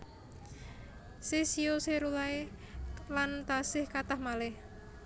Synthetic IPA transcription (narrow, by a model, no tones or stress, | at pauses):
sesioseɾulae | lant̪asɪhkat̪ahmalɪh